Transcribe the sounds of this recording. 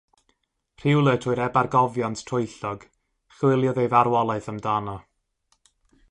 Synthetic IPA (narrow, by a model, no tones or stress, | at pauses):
r̥ɪwlˠətʰʊɨɾɛbarɡɔvjantʰtʰrʊɨɬɔɡ̥ | χwɪlˠjɔðejvaɾwɔlˠaɨθəmdanɔ